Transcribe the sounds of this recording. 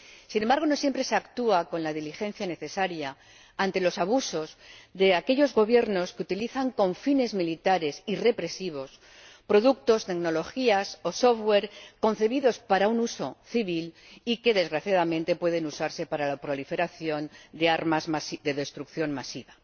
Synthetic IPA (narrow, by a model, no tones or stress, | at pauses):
sinembaɾɣ̞o̞no̞sje̞mpɾe̞seakt̪uako̞nlaðilixẽ̞nθjane̞θe̞saɾjaː | nt̪e̞lo̞saβ̞uso̞zðe̞ake̞ʎo̞zɣo̞βje̞ɾno̞skeut̪iliθaŋko̞ɱfine̞zmilit̪aɾe̞sire̞pɾe̞siβ̞o̞s | pɾo̞ðuk̚t̪o̞st̪e̞ɡno̞lo̞xiaso̞so̞fɣwe̞ɾko̞n̟θe̞βiðo̞spaɾaunuso̞θiβil | ike̞ðe̞zɣɾaθjaðamẽnt̪e̞pwe̞ð̞e̞nusaɾse̞paɾalapɾo̞life̞ɾaθjo̞nd̪e̞aɾmazasid̪e̞ðe̞st̪ɾukθjo̞nmasiβa